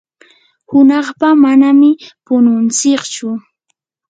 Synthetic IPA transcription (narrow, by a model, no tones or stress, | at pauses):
hʊnɑχpamanamɪpʊnʊnt͡sɪkt͡ʃʊ